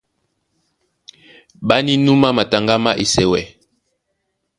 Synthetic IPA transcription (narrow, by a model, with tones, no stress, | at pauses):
ba˦ni˦nu˦ma˦ma˨ta˨ŋɡa˦ma˦ʔe˨sɛ˨wɛ˦˨